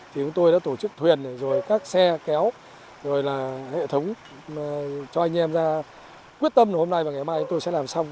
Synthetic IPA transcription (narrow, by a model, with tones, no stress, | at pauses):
t̪ʰi˨˩ə˨˦ŋ͡mt̪o˧jɗa̰ː˧˥t̪o˧˩t͡ɕɨ˦˥k̚t̪ʰwi˨˩ənzo˨˩jkaː˦˥k̚sɛ˧kɛ˨˦w | zo˨˩jlaː˨˩hḛ˧˨t̪ʰə˨˦wŋ͡m | t͡ɕɔ˧ʔa˧jŋ̟ʔɛ˧mzaː˧ | kwi˦˥ət̚t̪ə˧mnə˨˩ho˧mna˧jvaː˨˩ŋ˨˩hmːaː˧˨ɨ˨˦t̪o˧jsɛ̰˧˥laː˨˩msa˧wŋ͡m